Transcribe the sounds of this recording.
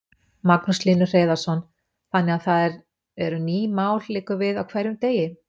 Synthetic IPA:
maknusliːnʏr̥eːðaɾ̥sɔn | θanːɛɣaθaðɛɾ | ɛɾʏniːmaːwllɪːkʏvɪðawkʰv̥ɛɾjʏmt̪eːjɪ

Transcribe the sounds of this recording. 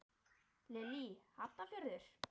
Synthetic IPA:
lɛlihat̪afɪɾðʏɾ̥

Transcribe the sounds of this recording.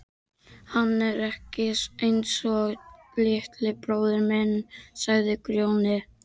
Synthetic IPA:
hanːɛɾɛhcɪsejnsɔɣ | lɪht̪lɪpɾoːwðʏɾmɛnːsaɣðɪkɾjownɪ

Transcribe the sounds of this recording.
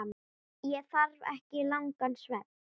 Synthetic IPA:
m | jɛθaɾvɛ̰hcɪlawŋkansvɛt̪̚n̥

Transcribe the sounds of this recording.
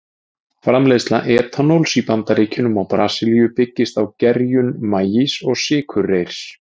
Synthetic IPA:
fɾamlejst̪laʔɛːt̪ʰanowlsipant̪aɾiːcʰɪnʏmawpɾaːsɪljʏpɪcːɪst̪awcɛɾjʏnmaːjisɔɣsɪːkʰʏrːejɾ̥s

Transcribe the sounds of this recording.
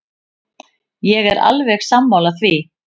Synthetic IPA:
jɛɣɛɾa̰lvɛxsamːawlaθvi

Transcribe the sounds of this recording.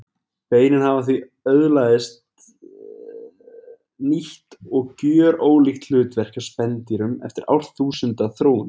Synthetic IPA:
peːjnɪnhavaθvi | œðlaðɪst̪ | niht̪ɔɣcœːɾoːwlixt̪l̥ʏːt̪vɛr̥kḁspɛnt̪iɾʏmɛ̰ft̪ɪɾʔa̰wr̥t̪θuːsʏnt̪aθɾoːwn

